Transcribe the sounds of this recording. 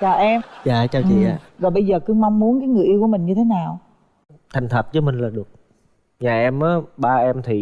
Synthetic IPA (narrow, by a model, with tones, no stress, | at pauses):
t͡ɕaː˨˩ʔɛ˧mzaː˧˨t͡ɕaː˨˩wt͡ɕḭ˧˨a̰ː˧˩zɔ˨˩jɓə˧jzəː˨˩kɨ˧ŋma˧wŋ͡mmu˨˦ənkaː˨˦jŋɨ˨˩əʔi˧wku˧˩mï˨˩ŋ̟ɲɨ˧e˨˦naː˨˩w | t̪ʰa˨˩jŋ̟t̪ʰə˨˩p̚zɨ˨˦mï˨˩ŋ̟laː˨˩ɗɨ˨˩ək̚ | ɲaː˨˩ʔɛ˧mʔaː˨˦ɓaː˧ʔɛ˧mt̪ʰi˨˩